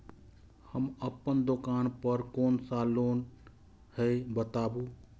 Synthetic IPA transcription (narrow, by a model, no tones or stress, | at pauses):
həməpːənd̪okanpəɾkonsaloːn | həjbət̪abu